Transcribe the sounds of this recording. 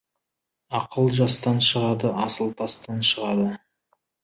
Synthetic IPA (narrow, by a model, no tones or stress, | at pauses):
ɑqəlˠʒɑst̪ɑnʃəʁɑd̪əʔɑsəlˠt̪ʰɑst̪ɑnʃəʁɑd̪ə